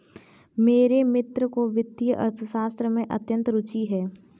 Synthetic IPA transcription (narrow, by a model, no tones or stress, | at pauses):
meːɾemɪt̪ɾəkoʋɪd̪ijəʔɐ̰ɾt̪ʰəʃaːst̪ɾəmẽʔɐ̰t̪jə̃nt̪ɾʊt͡ʃiɦɛː